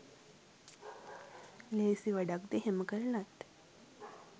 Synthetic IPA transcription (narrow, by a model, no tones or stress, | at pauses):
leːsiʋaɖakd̪eɦeməkəɾənat̪